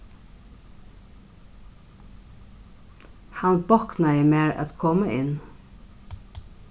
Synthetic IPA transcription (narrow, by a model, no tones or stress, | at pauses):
hanbɔknajəmeːɹʔæ̰t̪kʰɔməʔɪnː